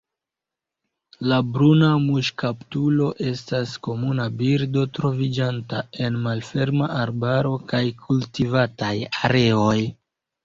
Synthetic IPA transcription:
labɾunamuʃkaptulo̞ʔe̞stasko̞munabiɾdo̞tɾo̞vid͡ʒantae̞nmalfe̞ɾmaʔaɾbaɾo̞kajkʰultivatajaɾe̞o̞j

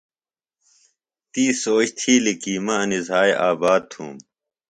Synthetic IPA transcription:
t̪iːsoːɕt̪ʰiːlikiːmɐɐnizaːjʔaːbaːd̪̚t̪ʰṵːm

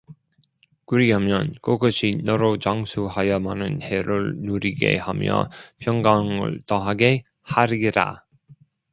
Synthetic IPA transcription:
kuɾiɦamjʌnkoɡʌɕʰinʌɾot͡ɕaŋsʰuhajʌmanɯnheɾɯɭnuɾiɡe̞̰hamjʌ̰pʰjʌŋɡaŋɯ̰ɭtʌɦaɡe̞ | haɾiɾa̰

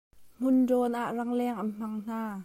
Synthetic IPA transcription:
m̥ʊndɔːnʔaʔrɐŋlɛːŋʔɐnm̥ɐŋn̥aː

